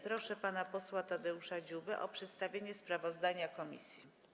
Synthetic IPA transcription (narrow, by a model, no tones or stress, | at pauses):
pɾɔʂɛpanapɔswat̪ɔd̪ɛuʂad͡ʑubɘʔɔ̰pʂɛt̪st̪avʲjeɲɛspɾavɔzd̪aɲakɔmʲḭsʲji